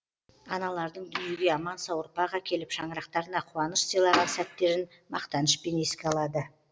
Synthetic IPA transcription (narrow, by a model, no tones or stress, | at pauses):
ɑnɑlˠɑɾd̪əɴd̪ʏnijeɡʲe̞ɑmɑnsɑwəɾpɑʁɑkʲʰe̞lɪpʃɑɴəɾɑq̚t̪ɑɾənɑqʰʊwɑnəʃsijlˠɑʁɑnsæt̪ːe̞ɾɪn | mɑ̰qt̪ɑnəʃpe̞ne̞skʲeɑlˠɑd̪ə